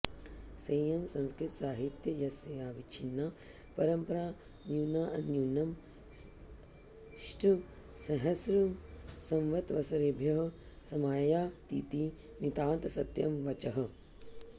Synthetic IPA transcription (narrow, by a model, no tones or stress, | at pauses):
sɐjɐmsɐ̃nskɾɪt̪saːɦit̪jɐjɐsɐjaːʋit͡ʃʰinːa | pɐɾɐmpɐɾaː | njuːnaːʔɐnjuːnɐm | ʃʈʰu | sɐɦɐsɾumsɐ̃mʋɐt̪ʋɐsɐɾebʱjɐɦɐ̆ | sɐmaːjaːt̪iːt̪iː | nit̪aːnt̪ɐsɐt̪jɐmʋɐt͡ʃɐɦɐ̆